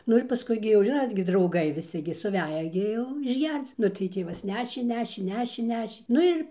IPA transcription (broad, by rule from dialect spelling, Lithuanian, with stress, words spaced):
ˈnʊ ɪr pɐˈskʊɪ ɡʲɪ jɛʊ ˈʒʲɪnoːt ɡʲɪ drɐʊˈɡɐɪ ʋʲɪˈsʲɪ ɡʲɪ sʊˈʋʲæːjɛ ɡʲɪ ˈjɛʊ ɪʒʲˈɡʲɛrt͡s ˈnʊ tɐɪ ˈtʲeːʋɐs ˈnʲæːʃʲeː ˈnʲæːʃʲeː ˈnʲæːʃʲeː ˈnʲæːʃʲeː ˈnʊ ɪr